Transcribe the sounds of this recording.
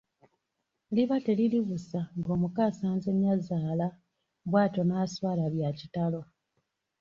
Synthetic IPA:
liβate̞liliβusaŋɡo̞ːmukaːsaːnze̞ɲjazaːla | βwaːto̞naːswaːlaβjacitalo̞

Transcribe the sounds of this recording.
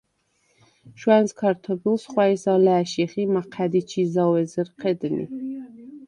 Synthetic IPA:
ʃwænskʰaɾt̪ʰɔbilˠsχwaisalæːʃiχimaqʰæd̪it͡ʃʰizawɛzəɾqʰɛd̪nḭ

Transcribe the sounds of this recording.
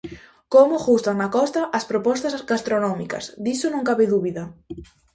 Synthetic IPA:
komoxust̪aŋnakɔst̪aʔɐspɾopɔst̪asɡast̪ɾonɔmikɐ̰sd̪isonõŋkaβeðuβiða

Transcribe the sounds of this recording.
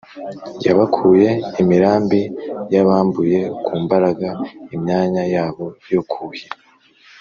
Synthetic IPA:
ja̰βakʰuje̞imiɾaːmbijaβaːmbuje̞kʰuːmbaɾaɡaimɲaːɲajaːβo̞jo̞kʰuji

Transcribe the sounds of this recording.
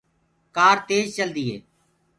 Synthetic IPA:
kaːɾt̪eːd͡ʒt͡ʃəld̪iːɦḛː

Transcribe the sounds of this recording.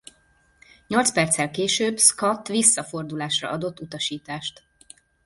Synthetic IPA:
ɲo̞lt̪spɛrt̪sɛlkeːʃøːbskɒt̪ːʋisːɒfo̞rd̪ulaːʃrɒ̰ɒd̪o̞t̪ːut̪ɒʃiːt̪aːʃt̪

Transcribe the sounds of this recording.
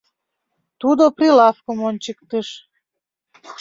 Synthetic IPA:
t̪ud̪oprilɑfkomonʲt͡ɕəkt̪əʃ

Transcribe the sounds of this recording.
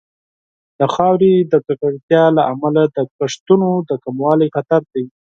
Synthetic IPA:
d̪̥əxɑwɾed̪ət͡sakaɽt̪jɑlaʔamalad̪əpaʂt̪unod̪əkamwɑlajxat̪aɾd̪aj

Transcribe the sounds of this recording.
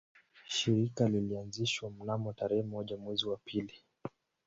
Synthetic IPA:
ʃiɾikalilianziʃwam̩namɔtaɾɛhɛmɔʄamwɛziwapʰili

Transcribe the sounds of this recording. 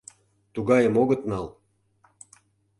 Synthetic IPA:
t̪uɣɑjə̆moɣɤ̆t̪nɑl

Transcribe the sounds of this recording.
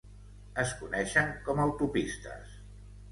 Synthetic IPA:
əskunɛʃəŋkɔməwt̪upist̪ə̰s

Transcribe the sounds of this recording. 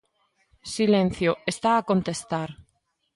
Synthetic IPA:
silẽn̟θjoest̪aːkont̪est̪aɾ

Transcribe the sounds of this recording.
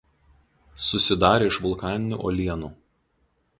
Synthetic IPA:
sʊsʲɪd̪ɑːɾʲeːɪʃʋʊlˠkɑːnʲɪnʲṵːˑʔɔːlʲiɛnṵː

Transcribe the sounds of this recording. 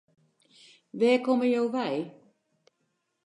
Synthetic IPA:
ʋɛːkɔməjoːʋɛj

